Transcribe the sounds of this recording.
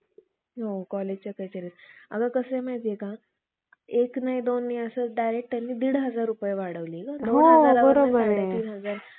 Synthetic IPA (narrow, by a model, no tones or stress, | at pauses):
ɦokɔled͡ʑt͡ɕakət͡ɕəɾit̪ə̰ɡəkəsəmaɦit̪ijeka | eknaɦid̪onːiəsəɖajɾek̚ʈt̪janːiːd̪iɽɦəd͡zaɾːupəjeʋaɽəʋliːkad̪oɦnoalabəɾobəɾaɡɽet̪iːnɦəd͡zaɾ